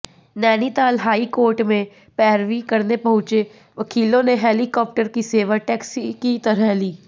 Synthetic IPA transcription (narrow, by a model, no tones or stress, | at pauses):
nɛːniːt̪aːlɦaːikoːɾʈmẽ | pɛːɾʋiːkəɾnepəɦʊ̃t͡ʃeː | ʋəkʰiːlõːneɦɛːlikɔːp̚ʈəɾkiseːʋaʈɛːksikit̪əɾɛliː